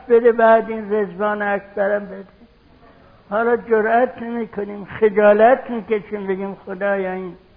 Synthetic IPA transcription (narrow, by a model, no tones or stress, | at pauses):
bed̪ebæːd̪inrezvɒːneækʰbæɾæmbed̪e | hɒːlɒːd͡ʒoɾæt̪ʰnemiːkʰoniːmxed͡ʒɒːlæt̪ʰmiːkeʃiːmbeɡʲiːmxod̪ɒːjɒːiːn